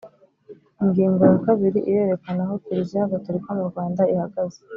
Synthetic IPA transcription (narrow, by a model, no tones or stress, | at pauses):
iŋɡiːŋɡo̞jakaβiɾiʔije̞ːɾe̞kanaɦo̞kuɾizijaɡatuɾikomuɾɡwaːndaihaɡaze̥